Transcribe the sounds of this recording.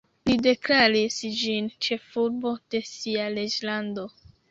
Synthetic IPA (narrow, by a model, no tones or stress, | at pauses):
lide̞klaɾisd͡ʒint͡ʃe̞fuɾbo̞d̥e̞sialed͡ʒlando̞